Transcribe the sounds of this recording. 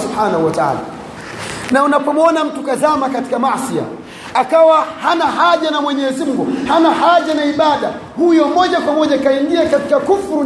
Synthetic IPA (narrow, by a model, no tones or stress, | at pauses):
subħaːnahuwataa̰la̰ | naunapɔmɔnam̩tukazamakati̥kamasia̰ | akawahanaɦaʄanamwɛɲɛzimuŋɡuhanahaʄanaiɓaɗa | hujɔmɔʄakwamɔʄakaiŋɡiakatikakufɾu